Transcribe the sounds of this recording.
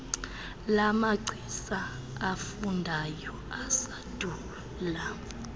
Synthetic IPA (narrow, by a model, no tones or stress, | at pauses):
lamaɡ͡ǀʱisaː | fundʱajɔ | asad̥ʱuː | la